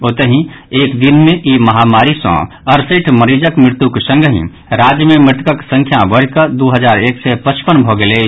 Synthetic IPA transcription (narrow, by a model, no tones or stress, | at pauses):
oːt̪əɦĩeːkd̪ɪnmẽʔimɐɦaːmaːɾisɔ̰̃ː | ɐɾsiʈʰməɾiːd͡ʒəkmɾɪɾt̪uksə̃ŋɡʱəɦḭ̃ | ɾaːd͡ʒjəmẽmɪʈkəksə̃ŋkʰjabəɽ̤kəd̪oːɦəzaːɾeːksepət͡ʃpənbʱoɡəle